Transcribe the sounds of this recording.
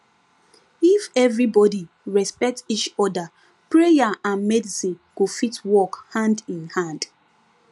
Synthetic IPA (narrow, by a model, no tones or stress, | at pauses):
ifɛvɾibɔdi | ɹɛspɛk̚tit͡ʃɔda | pɹejaʔãnmɛdisĩnɡ̥ofitwɔkhãndĩnhãnd̥